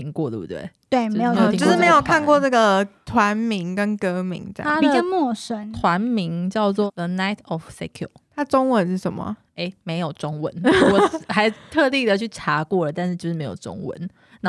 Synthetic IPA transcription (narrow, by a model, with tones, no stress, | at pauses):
i˧˥ŋkwɔ˥˩d̪ə˩b̰bṵ˥wḛ˥˩tt̪we˥˩ɪm˧˥jo˨˥˨o˥˧ʊʂɻ̩˥˩me˧˥ɪjo˨˩kʰa˥˧nkwɔ˥˧nə˥˩ɡə˩t̪ʰwa˧˦nmi˧˥ŋkə˦˥nkɤ˥mḭ˧˥ŋt͡ɕa˥dpi˨t͡ɕjɑ˥˧mwɔ˥˩ʂə˥nt̪ʰwa˨˦nmi˧˦ŋt͡ɕjɑ˥˧ʊt͡swɔ˥˨ðə˨na˥˩ɪt̪ʰɔ˨˩fsɛ˥kʰjṵ˨˩t̪ʰa˥ʈ͡ʂo˥ŋwə˧˦nʂɻ̩˥˩ʂə˧˦nmə̰˨˩ | e˧˩ɪme˧˥ɪjo˨˩ʊʈ͡ʂʊ˦ŋwə̰˧˦nwɔ˨sxa˧˥ɪt̪ʰɤ˥˧lji˥˩d̪ə˨t͡ɕʰy˥˩ʈ͡ʂʰa˨˥kwɔ˥˩lə˩t̪a˥˧nʂ̩˥˩t͡ɕjʂɻ̩˥˩me˧ɪjo̰˨˩ʊʈ͡ʂʊ̰˦˥ŋwə̰˧˦n | na˥˨